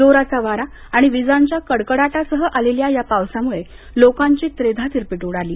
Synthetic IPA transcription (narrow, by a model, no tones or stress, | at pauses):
d͡zoɾasaʋaɾaː | ɽ̃iʋid͡zãɲt͡ɕjakəɽkəɽaʈasəɦəʔaleljajapaʋsamuɭe | lokãɲt͡ɕiːt̪ɾed̪ʱat̪iɾpiʈuɽaliː